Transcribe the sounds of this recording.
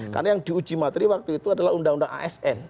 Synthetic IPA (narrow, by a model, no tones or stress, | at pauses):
karnajaŋdiud͡ʒimat̪ɾiwak̚t̪uit̪uadalaɦundaŋundaŋa̰ʔɛsɛn